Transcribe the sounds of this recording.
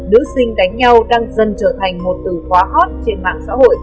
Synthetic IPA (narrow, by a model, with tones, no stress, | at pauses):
nɨ̰˧˥sï˧ŋ̟ka˨˦jŋ̟ɲa˧wɗaː˧ŋzə˧˩nt͡ɕəː˧˩t̪ʰa˨˩jŋ̟mo˨˩t̚t̪ɨ˧˩xwaː˨˦ɦɔ˦˥t̚t͡ɕe˧nma̰ː˧˨ŋsa̰ː˧˥ɦo̰˧˨j